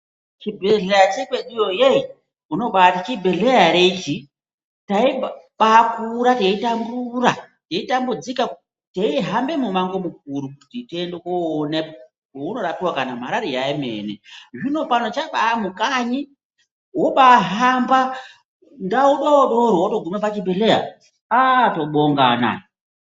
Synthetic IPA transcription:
t͡ʃibʱeɮejat͡ʃekweɗijojei | uno̞ɓatit͡ʃibʱeɮejaɾet͡ʃi | tai | ɓakuɾateitambura | teitambud͡zika | teiɦambe̞mumaŋɡomuk̚uɾuku̥titiendekone | uno̞ɾapiwakanam̤aɾaɾijaimḛːnḛʐino̞panot͡ʃaɓaːmukaɲi | woɓaɦamba | ndaoɓaoɗoɾowoto̞ɡʱumapat͡ʃimbeɮeja̰ | aːto̞ɓoŋɡana̰

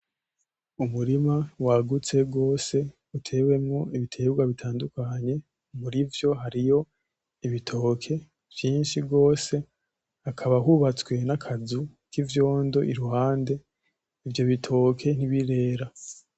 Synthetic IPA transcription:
umuɾimawaɡut͡se̞ɡo̞ːse̞ | utʰe̞we̞mŋoiβitʰe̞ɡɡwaβitʰaːndukaɲe̞ | muɾivjo̞ɦaɾijo̞ | iβitʰo̞kʰe̞ | v̥jiːnʃiɡo̞ːse̞ | akʰaβaɦuβat͡swe̞nakʰazukivjo̞ːndo̞ʔiɾuɦaːnde̞ | ivjo̞βitʰo̞ːkʰe̞n̥iβiɾe̞ːɾa

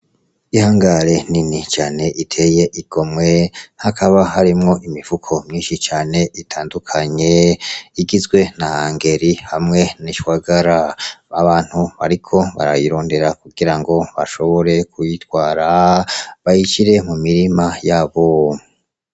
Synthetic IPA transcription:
ihaːŋɡaɾe̞ninit͡ʃaːne̞ʔitʰe̞je̞ʔiɡ̥o̞mŋe̞hakʰaβahaɾimŋo̞ʔimiv̥ukʰo̞mɲiːnʃit͡ʃaːne̞ʔitʰaːndukʰaɲe̞iɡizɡwe̞nahaːŋɡe̞ɾihamŋe̞niʃwaɡaɾaaβaːn̥huβaɾikʰo̞βa̰ɾa̰jiɾo̞ːnde̞ɾakuɡiɾaŋɡo̞βa̰ʃo̞βo̞ɾe̞kʰujitwaːɾa | βajit͡ʃiɾe̞mumiɾimajaːβo

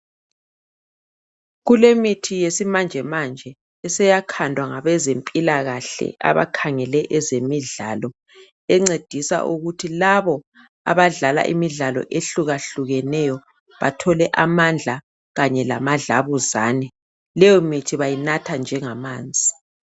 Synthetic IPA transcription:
ɣulemitʰijesimand͡ʒʱɛmand͡ʒʱɛ | ɛsɛjakʰandʱwaŋaβɛzempʼilaɣaɬɛ̰ʔa̰βa̰kʰaŋɛlɛʔɛzemiɮaːlɔ | ɛŋ͡ǀed̥ʱisa̰ʔuɣutʰilaβɔ | a̰βaɮala̰ʔḭmiɮalɔ̰ʔeɬuɣaɬuɣɛnɛjɔ | βatʰɔlɛʔamand͡ɮʱa | ɣaɲɛlamaɮaβuzaːnɛ | lɛjɔmitʰiβajinatʰand͡ʒʱɛŋamaːnd͡zʱi

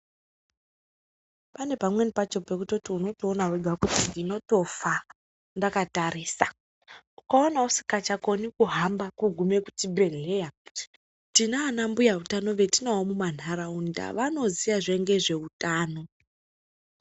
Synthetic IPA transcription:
pane̞pamwe̞nipat͡ʃo̞pe̞kutotiuno̞toːnaweɡʱakutiːno̞to̞fa | ndakatariːsa | ukaonausi̥kat͡ʃako̞nikuɦambakuɡʱume̞ku̥tibʱe̞ɮe̞ja | tinaːnambujautano̞ʋe̞tinaɦomuman̤aɾaunda̰ʋano̞zijaʐe̞ŋɡe̞ʐe̞utaːno̞

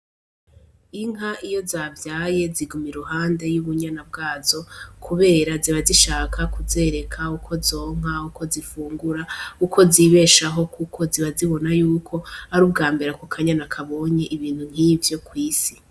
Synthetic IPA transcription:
iŋɦaʔijo̞zaːvjaːje̞ziɡumiɾuhaːnde̞juβuɲanab̚ɡaːzo̞kʰuβe̞ːɾaziβaziʃaːkʰakuze̞ːɾe̞kʰaukʰo̞zo̞ːŋ̥aukʰo̞zifuːŋɡuɾaukʰo̞ziβe̞ːʃaɦo̞kukʰo̞ziβaziβo̞najuːkʰo̞aɾuːb̚ɡaːmbeɾakokʰaɲanakʰaβo̞ɲe̞ʔiβiːn̥hun̥hivjo̞kwiːsi

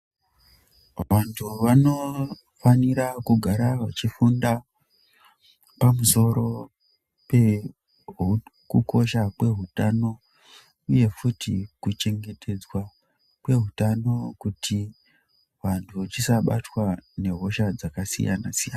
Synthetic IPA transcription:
ʋantʰuʋano̞ | faniɾakuɡʱaɾaʋat͡ʃifunda | pamuso̞ɾo̞ | pe̞ | ɦkukʰo̞ʃakwe̞ɦutano̞ | uje̞futḭkut͡ʃe̞ŋɡe̞tʰe̞d͡zwa | kwe̞ɦutano̞kutʰi | ʋantʰuʋat͡ʃisaɓatwane̞ɦo̞ʃad͡zakasḭja̰nasijana

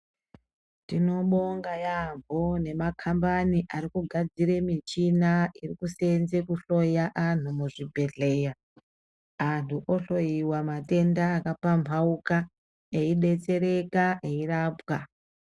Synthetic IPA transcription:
tino̞ɓoŋɡajambone̞makʰambaniʔaɾikuɡʱad͡ziɾe̞mit͡ʃinairikuse̞nze̞kuɬo̞jaʔan̤umuʐibʱe̞ɮe̞ːja | antʰuʔoɬo̞jiwamate̞ndaːkapampʰauka | eiɗe̞t͡se̞ɾe̞kaʔeiraːpwa

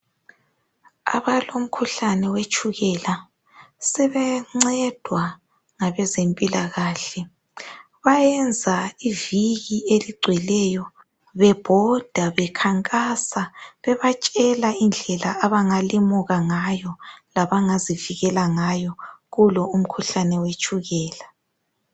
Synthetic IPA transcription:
a̰βalom̩kʰuɬanɛwet͡ʃʼuɣɛla | sɛβɛŋ͡ǀɛd̥ʱwa | ŋaβɛzempʼilaɣaːɬɛ | βajɛnd͡zʱaiviɣieliɡ͡ǀʱwɛlɛjɔ | βɛb̥ʱɔd̥ʱaβɛkʰaŋkʼasaβɛβat͡ʃʼɛlaind͡ɮʱɛlaaβaŋalimuɣaŋajɔlaβaŋaziviɣɛlaŋajɔɣulɔum̩kʰuɬanɛwet͡ʃʼuɣɛːla

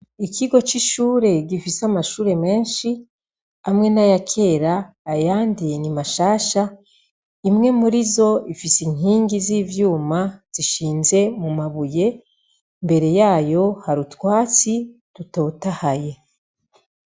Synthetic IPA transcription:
ikʰiɡo̞t͡ʃiʃuːɾe̞ɡifisamaʃuːɾe̞me̞ːnʃi | amŋe̞najakʰe̞ːɾaː | jaːndinimaʃaːʃa | imŋe̞muɾizo̞ifisiŋ̥iːŋɡiziːvjuːmaz̥iʃiːnze̞mumaβuje̞ | mbe̞ɾe̞jaːjo̞haɾutwaːt͡situto̞ːtahaje̞

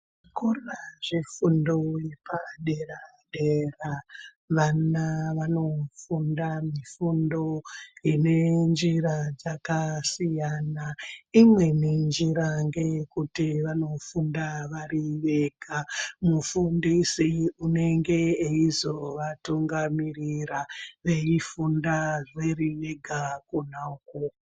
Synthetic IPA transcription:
kuraʐifundoepaɗe̞ra | ɗera | ʋanaʋano̞fundamifundo̞ine̞nd͡ʒiɾad͡zakasijaːnaimwe̞nend͡ʒiɾaŋɡe̞kutiʋano̞fundaʋaɾiʋe̞ɡʱamufundisiune̞ŋɡe̞eizo̞ʋatuŋɡamiriraʋe̞ifundaʐeɾiʋe̞ɡʱakunauko

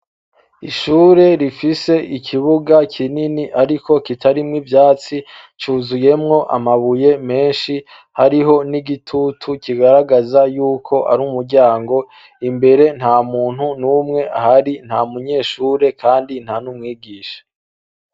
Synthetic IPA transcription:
iʃuːɾe̞ɾifise̞ʔikʰiβuɡakʰininiʔaɾiko̞kitʰaɾimŋivjaːt͡si | t͡ʃuːzuje̞mŋo̞ʔa̰maβuje̞me̞ːnʃi | haɾiɦo̞niɡitʰutʰukiɡaɾaɡazajuːkʰo̞ʔa̰ɾumuɾɟaːŋɡo̞ | imbe̞ɾe̞n̥haːmuːn̥hunuːmŋe̞ahaɾin̥hamuɲe̞ːʃuːɾe̞kʰaːndin̥hanumŋiːɡiːʃḁ

